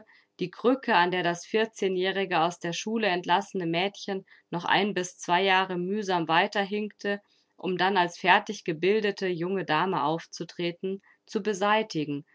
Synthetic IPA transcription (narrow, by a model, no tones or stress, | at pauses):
d̥iːɡʁʏkʰəandeːɐdasfɪɐt͡seːnjɛːʁ̞ɪɡəaʊsd̥eːɐʃuːləɛntlasənəmɛːtçənː | ɔχʔa̰ɪnbɪst͡sv̥aɪjaːʁəmyːzaːmvaɪtɐɦɪŋktʰə | ʔʊmdanalsfɛɐtɪçɡ̥əbɪldətʰəjʊŋədaːməʔaʊft͡sutʁ̥eːtn̩ | t͡subəzaɪtɪɡŋ̩